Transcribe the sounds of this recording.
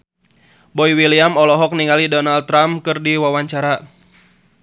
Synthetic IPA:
bɔiwiliamɔlɔɦɔk̚niŋalidɔnalt̪ːɾamkɨrdiwawaɲt͡ʃaɾa

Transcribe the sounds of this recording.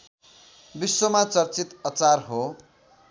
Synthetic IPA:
bisːomat͡sʌrt͡sit̪ʌt͡sarɦo

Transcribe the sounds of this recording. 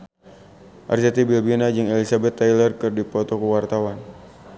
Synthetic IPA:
ʔa̰rsat̪ibilbinad͡ʒɨŋɛlisabɛt̪ːajlərkɨrdipɔt̪ɔkuwart̪awan

